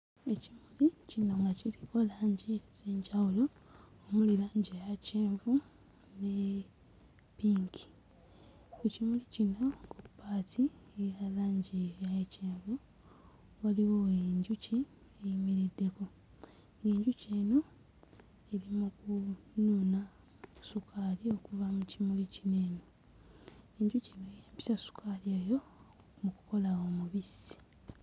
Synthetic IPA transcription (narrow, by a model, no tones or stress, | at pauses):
e̞cimulicino̞ŋɡaciliko̞laːɲɟizeːɲɟawulo̞ | omulilaːɲɟejaceːɱvu | ne | piːŋkʰi̥ | kucimulicino̞kupːaːtʰiejalaːɲɟijajeceːɱvu | waliwoeɲɟuci | ejimiɾidːe̞ko̞ | ŋɡe̞ːɲɟuceːno | elimukununa | sukʰaːlio̞kuvamucimulicine̞ːno | eɲɟucenojaːmpi̥sasu̥kʰalieːjo̞ | muku̥ko̞lawo̞muβisi̥